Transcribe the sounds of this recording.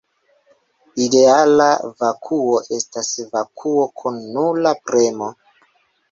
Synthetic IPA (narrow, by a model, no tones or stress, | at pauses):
ide̞alavakʰuo̞ʔe̞stasvakʰuo̞kʰunːulapɾe̞mo̞